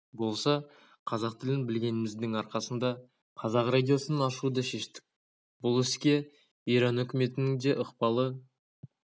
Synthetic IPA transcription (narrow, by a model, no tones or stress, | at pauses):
bo̞lˠsɑ | qʰɑzɑqt̪ʰɪlɪnbɪlɡʲe̞nɪmɪzd̪ɪŋɑɾqɑsənd̪ɑ | qʰɑzɑqrad̪ʲijo̞sənɑnɑʃud̪əʃe̞ʃt̪ɪ̥k̚ʲ | bbʊlˠɪskʲe̞ | ijɾɑnɵkʲɪme̞t̪ɪnɪŋd̪e̞ʔəqpɑlˠə